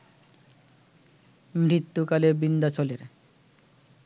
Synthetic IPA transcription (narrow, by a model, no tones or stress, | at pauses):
mɾit̪ːukalebind̪at͡ɕɔleɾ